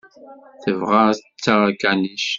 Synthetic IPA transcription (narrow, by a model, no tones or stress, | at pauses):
θəvʁat͡sːaʁakæniʃ